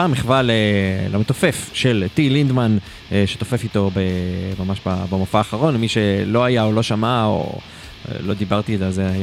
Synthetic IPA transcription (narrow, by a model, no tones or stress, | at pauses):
amiχvalelʔomet̪ofe̞fʃelt̪ilind̪man | ʃet̪ofe̞fit̪o̞bemamaʃbabamofaːχaʁo̞nmiʃe̞lo̞ajaolo̞ʃamao̰ | lo̞d̪ibaʁt̪ilalzeaj